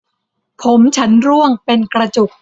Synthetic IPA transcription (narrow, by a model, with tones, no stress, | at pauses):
pʰo˩˦mt͡ɕʰa˦˥nɾu˥˩əŋpe˧nkɾa˧t͡ɕu˨˩k̚